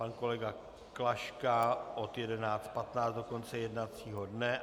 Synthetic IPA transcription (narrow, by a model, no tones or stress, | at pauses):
anko̞lɛɡa | klaʃkaʔot̪jɛdɛnaːt͡st̪̚pat̪naːt͡st̪do̞ko̞nt͡sɛjɛdnat͡siːɦo̞dnɛ